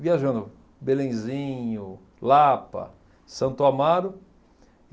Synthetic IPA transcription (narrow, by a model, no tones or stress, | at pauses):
viaʒɐ̃nd̪ʊ | belẽj̃zĩɲʊ | lapɐ̰ | sɐ̃nt̪ʊamad̪ʊ